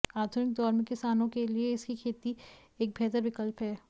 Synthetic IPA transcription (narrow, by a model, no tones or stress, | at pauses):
aːd̪ʱʊnɪk̚d̪ɔːɾmẽkɪsaːnõkelieɪskikʰeːt̪i | eːk̚bʱɛːt̪əɾʋɪkəlpɦɛː